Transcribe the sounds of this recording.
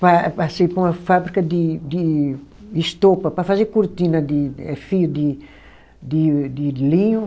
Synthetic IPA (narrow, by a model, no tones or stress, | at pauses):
pɐpasepũmɐfabɾikɐd̪id̪i | iʃt̪opɐpɾɐfazeɾkuɾt̪inɐd̪iɛfiud̪i | d̪id̪ilĩɲu